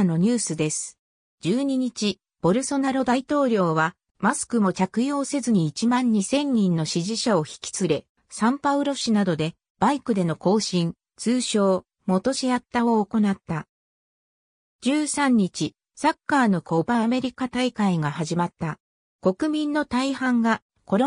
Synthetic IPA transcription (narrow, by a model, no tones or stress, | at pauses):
no̞ɲ̟ɨːsɨd̪e̞sɨ̥ | d͡ʑɨːɲ̟iɲ̟it͡ɕi | b̥o̞ɾɯ̟so̞naɾo̞d̪ait̪o̞ːɾʲo̞ːβa | masɨ̥kɯ̟mo̞t͡ɕakɯ̟jo̞ːse̞zɨɲ̟iːt͡ɕimãɲ̟ːisẽ̞ɲ̟ːĩnːo̞ɕiʑiɕao̞çi̥kʲi̥t͡sɨɾe̞ | sãmpaɯ̟ɾo̞ɕinad̪o̞d̪e̞ | b̥aikɯ̟d̪e̞no̞ko̞ːɕĩn | t͡sɨːɕo̞ː | mo̞t̪o̞ɕiat̪ːao̞ːko̞nat̪ːa | d͡ʑɨːsãɲ̟ːit͡ɕi | sakːaːno̞kʰo̞ːbaame̞ɾʲikat̪aikaiɡahaʑimat̪ːa | ko̞kɯ̟mʲĩnːo̞t̪aihãŋɡa | ko̞ɾ